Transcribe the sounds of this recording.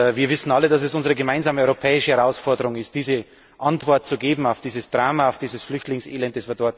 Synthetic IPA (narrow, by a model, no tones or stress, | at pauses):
viːɐvɪsn̩aləd̥as̬ɛsʔʊnzəʁəɡəmaɪnzaːməɔʏʁopʰɛːɪʃəhɛʁaʊsfɔɐdəʁʊŋɪst̚d̥iːzə | ʔantv̥ɔɐt̚t͡suɡeːbm̩aʊfd̥iːzəsd̥ʁaːmaaʊfd̥iːzəsflʏçtlɪŋsḛːlɛnt̚d̥ɛsv̥iːɐdɔɐt